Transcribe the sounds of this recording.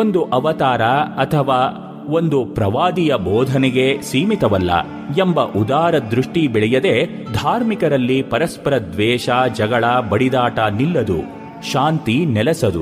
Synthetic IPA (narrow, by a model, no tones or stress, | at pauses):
o̞nd̪uʔɐʋɐt̪aːɾɐɐt̪ʰɐʋaː | o̞nd̪upɾɐʋaːd̪ijɐbɔːd̪ʱɐnɛɡe̞siːmit̪ɐʋɐlːɐ̰ | embɐʔud̪aːɾɐd̪ɾuʂʈibɛɭɛjɐd̪e̞ | d̪ʱaːɾmikɐɾɐlːipɐɾɐspɐɾɐd̪ʋɛːʃad͡ʒɐɡɐɭɐbɐɽid̪aːʈɐnilːɐd̪ṵ | ʃaːnt̪inɛlɛsɐd̪ṵ